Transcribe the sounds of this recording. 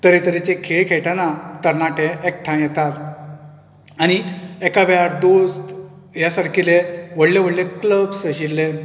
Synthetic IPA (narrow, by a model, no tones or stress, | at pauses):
t̪əɾet̪əɾet͡ɕekʰeɭkʰeʈʰanat̪əɾnaʈeek̚ʈʰãjɛt̪at̪ | añiɛkabɛaɾd̪ost̪ | jasaɾkʰileʋəɽleʋəɽlekləbsəɕilːe